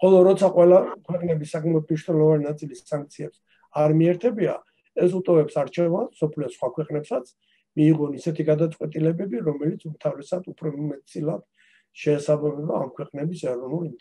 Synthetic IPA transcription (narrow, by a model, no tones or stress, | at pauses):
χɔlˠɔɾɔt̪sʰaqʼwɛlakʰwɛqʼnɛbisakʰʼmɛɔd̪̚mniʃnɛlˠɔvaninat̪sʼilisːãŋk̚t̪sʰiɛps | aɾmiɛɾt̪ʰɛbia̰ | ɛsut̪ʼɔvɛpsaɾt͡ʃʰɛvansɔpʰliɔsχwakʰwɛqʼnɛpsat̪sʰ | miːʁɔnisɛt̪ʰiɡad̪at̪sʼqʼwɛt̪ʼilɛbɛbiɾɔmɛlit̪sʰumt̪ʰavɾɛsad̪upʰɾɔmɛt̪sʰʼilad̪̥ | ʃɛːsabamɛɾɔa̰mkʰwɛqʼnɛbisɛɾɔnulint̪